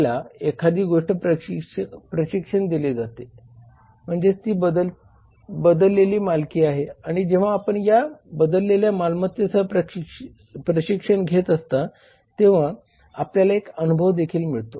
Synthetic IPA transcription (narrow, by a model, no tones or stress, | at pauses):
laekʰad̪ʱiːɡoʂʈəpɾəɕəpɾəɕikʂəɳd̪iled͡zat̪e | m̤əɳd͡zet̪iːbəd̪ə | bəd̪əlːeliːmalkiːaɦeaɽ̃id͡ʑeʋ̤aːpəɳjabəd̪əlːeljamalmət̪jəsəpɾə | pɾəɕikʂəɳɡʱet̪əst̪a | t̪eʋ̤a | apljalaekənubʱəʋd̪ekʰiːlmiɭt̪o